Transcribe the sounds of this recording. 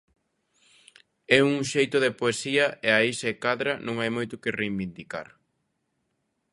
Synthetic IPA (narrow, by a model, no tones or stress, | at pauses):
ɛuŋʃejt̪ʊðepoesiɐʔeaisaekaðɾɐnõŋajmojt̪ʊkɪrejβind̪ika̰ɾ